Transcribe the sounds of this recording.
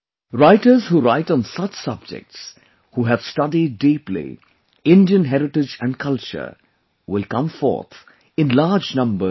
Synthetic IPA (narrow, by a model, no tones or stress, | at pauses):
ɾaɪʈəz̥huːɾaɪʈɔ̃nsʌt͡ʃsʌb̚d͡ʒɪ̰k̚ʈs | huːɦævsʈʌdiɖ̚ːeːplḭ | ɪ̃nɖiə̃nɦɛɾɪʈɪd͡ʒæ̃ɳɖkʰʌlt͡ʃə̰˞ | wɪlkʌ̃mfɔ̰ɹt̪ʰ | ɪ̃nlaːd͡ʒnʌ̃mbə